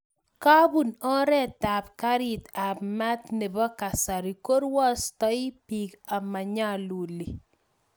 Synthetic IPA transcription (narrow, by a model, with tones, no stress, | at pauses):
ka˦bu˨nɔ˦ɾɛ˦˨ta˨pka˦ɾi˨t̪a˨pma˦t̪nɛ˨bɔ˦ka˨sa˨ɾi˨ko˦ɾwa˦stɔ˦ipi˨ka˨ma˨ɲa˦lu˨li˨